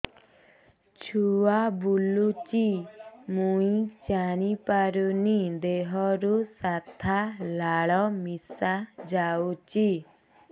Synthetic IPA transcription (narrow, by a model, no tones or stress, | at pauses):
t͡ʃʰuwabulut͡ʃimũĩd͡ʒaɽ̃ipaɾunid̪eɦɔɾusat̪ʰalaɭɔmisad͡ʒawt͡ʃi